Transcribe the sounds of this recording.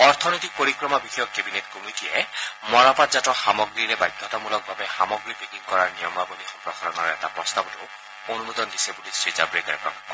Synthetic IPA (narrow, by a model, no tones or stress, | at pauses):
ɔɹt̪ʰɔnojtik̚poɹikɹɔmabixɔjɔkːebinetkomitijɛmɔɹapatzatɔxamɔɡɹiɹɛbajdʱːɔtɔmulɔk̚bʱabɛxamɔɡɹibʱikikkɔɹaɹnijɔmabolixɔpɹɔxaɹɔnɔɹɔɛtapɹɔstabɔtʊ̰ | onumud̪ɔndisɛbulisɹiza̰bɹekaɹɛpɹɔ̰kaɔ